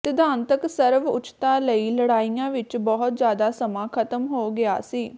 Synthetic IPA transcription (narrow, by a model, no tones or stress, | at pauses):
t̪ɪd̪aːnt̪əksəɾʋʊ̰t͡ʃt̪aːləiːləɽaːijãːʋɪt͡ʃbɔɦʊt̪zjaːd̪aːsəmãːkʰət̪əmɦoːɡɪaːsiː